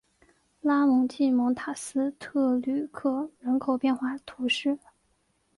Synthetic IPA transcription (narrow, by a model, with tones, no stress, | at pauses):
la˥mʊ˧˥ŋt͡ɕi˥˩mɤ˧˥ŋt̪ʰa˨˩sɹ̩˥t̪ʰɤ˥˧ly˥˨˩kʰɤ˥˩ɻə˧˥nkʰo˨˩ʊpjɛ˥˧nxwa˥˩t̪ʰu˧˥ʂɻ̩˥˩